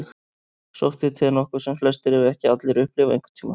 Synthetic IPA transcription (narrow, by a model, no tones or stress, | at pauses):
x | so̰wht̪ɪt̪ʰɪnɔhkʏ̥sɛmflɛst̪ɪɾɛvɪɛhcɪat̪lɪɾʏhplɪvaḛjŋkʏ̥ɾ̥t̪ʰiːma̰